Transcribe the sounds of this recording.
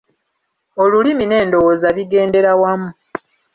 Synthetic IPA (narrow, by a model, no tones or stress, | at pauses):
o̞lulimine̞ːndo̞wozaβiɡe̞ːnde̞ɾawamːu